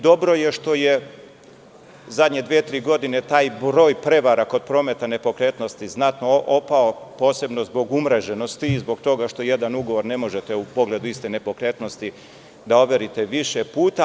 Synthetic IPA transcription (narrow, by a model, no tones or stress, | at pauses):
d̪o̞bɾo̞jeʃt̪o̞je | zad̪ɲed̪ʋiet̪ɾiːɡo̞d̪ine̞t̪aːjbɾo̞ːjpɾe̞ʋaɾako̞d̪̚pɾo̞ːme̞t̪ane̞po̞kɾe̞ːt̪no̞st̪iznat̪no̞ʔopao̞po̞ːse̞bno̞zbo̞ɡumɾeʒe̞no̞st̪iːzbo̞ɡt̪o̞ɡaʃt̪o̞je̞d̪anuɡo̞ʋo̞ɾne̞mo̞ʒe̞t̪eupo̞ɡle̞d̪uist̪e̞ne̞po̞kɾe̞t̪no̞st̪i | d̪ao̞ʋje̞ɾit̪eʋiʃepuːt̪a